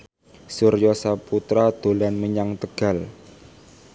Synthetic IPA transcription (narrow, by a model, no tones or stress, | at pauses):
sʊrjɔsaput̪ɾad̪̥o̤lanməɲaŋt̪əɡ̥a̤l